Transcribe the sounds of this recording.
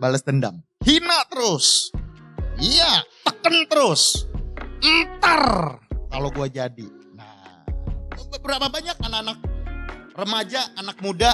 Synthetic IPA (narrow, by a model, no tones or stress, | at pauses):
baləst̪ənda̰mhinat̪əɾʊs | iat̪əkənt̪əɾʊs | ənt̪ərkaloɡuad͡ʒadḭna̰ | bəbəɾapabaɲak̚anakanak̚rəmad͡ʒaːnak̚muda